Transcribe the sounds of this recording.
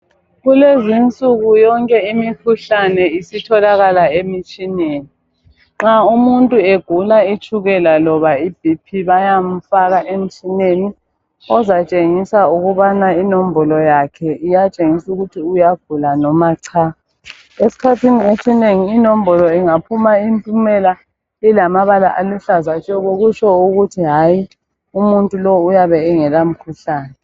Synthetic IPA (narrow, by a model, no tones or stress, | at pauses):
ɣulezint͡sʼuɣujɔŋkʼɛimikʰuɬanɛisitʰɔlaɣalaemit͡ʃʼineːni | ŋ͡ǁaumuntʼueɡ̥ʱulait͡ʃʰʼuɣɛlalɔβaib̥ʱipʰiβajam̩faɣaʔem̩t͡ʃʼineni | ɔzat͡ʃʼeŋisauɣuβanainom̩bɔlɔjakʰɛijat͡ʃʼeŋisuɣutʰiujaɡ̥̚ʱulanɔmaǀʰaːa | esi̥kʰatʰiniesineŋiːnom̩bɔlɔiŋapʰumaimpʼumɛla | ilamaβalaʔaluɬazat͡ʃʼɛɣoɣut͡ʃʰʼɔuɣutʰiɦaːji | umuntʼulɔujaβɛːŋɛlam̩kʰuɬaːnɛ